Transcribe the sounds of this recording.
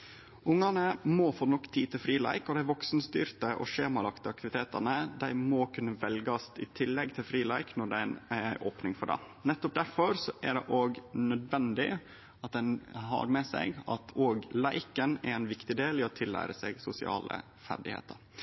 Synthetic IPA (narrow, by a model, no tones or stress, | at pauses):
ʊŋːɑnəmɔfoːnɔkːt̪ʰiːt̪ʰɪlfɾiːlæ̰ɪkɔd̪ɛæɾʋɔksnst̪y̰ːɾt̪əʔɔ̰ʃeːmɑlɑkt̪əɑk̚t̪ɪʋɪt̪ʰeːt̪ɑnəd̪æɪmɔkʰʉnːəʋɛlɡɑst̪ɪt̪ʰɪlːɛɡt̪ʰɪlfɾiːlæɪknɔɖæɪnæɾæɪʔoːpnɪŋfɔɖɛ̰ | nɛt̪ːɔp̚d̪æɾfɔɾsɔʔæɖɛʔoːɡnœd̪ʋɛnd̪ɪ | ɑt̪̚d̪ɛnɦɑ̰ɾmɛsæ̰ɪɡɑ̰t̪ʰoːɡlæɪkənæ̰ɾæɪnʋɪkt̪ɪd̪eːlɪɔt̪ʰɪlːæ̰ːɾəsɛɡsʊsɪɑ̰ːlə̰ | fæ̰ɖɪhḛːt̪əɾ